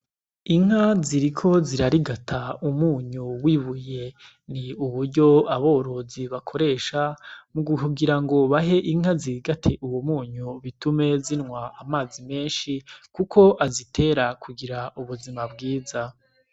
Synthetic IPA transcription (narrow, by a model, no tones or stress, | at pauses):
iŋ̥haziɾikʰo̞ziɾaɾiɡatʰaumuːɲuwiːβuje̞ | niuβuɾɟo̞aβo̞ːɾo̞ziβakʰo̞ɾe̞ʃamuɡukuɡiɾaŋɡo̞βaɦe̞ʔiŋ̥haziɾiɡatʰe̞ʔuwomuːɲuβitume̞zinŋwaamaːzime̞ːnʃikukʰo̞ʔazitʰe̞ɾakuɡiɾaʔuβuzimabɡiːza